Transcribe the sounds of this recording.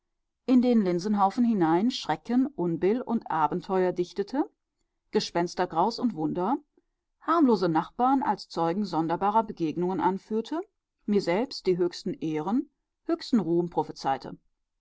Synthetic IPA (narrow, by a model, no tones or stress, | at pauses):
ʔɪndeːnlɪnzənɦaʊfn̩hɪnaɪnʃʁ̥ɛkʰənʔʊnbɪlʊ̰ntʔaːbn̩tʰɔʏɐdɪçtətʰə | ɡ̥əʃpɛnstɐɡʁaʊsʊntv̥ʊndɐ | haɐmloːzənaχb̥aːɐna̰lst͡sɔʏɡŋ̩zɔndɐbaːʁɐbəɡeːɡnʊŋənʔanfyːɐtʰə | miːɐzɛlpst̚d̥iːɦøːçstn̩ʔeːʁən | høːçstn̩ʁuːmpʁ̥ofit͡saɪtʰə̰